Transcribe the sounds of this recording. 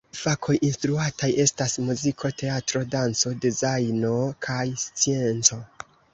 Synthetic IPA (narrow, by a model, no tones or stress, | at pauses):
fakʰo̞jʔinstɾuataje̞stasmuzikʰo̞tʰe̞atɾo̞dant͡so̞dizajno̞kʰajst͡sie̞nt͡so̞